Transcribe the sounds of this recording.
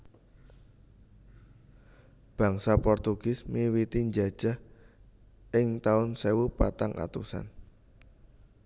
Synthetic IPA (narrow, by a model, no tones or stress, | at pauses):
b̥a̤ŋsapɔrt̪uɡ̥ɪsmiwit̪iɲd͡ʒad̥ʒ̥a̤h | ɪŋt̪aʊnsewupat̪aŋʔa̰t̪usa̰n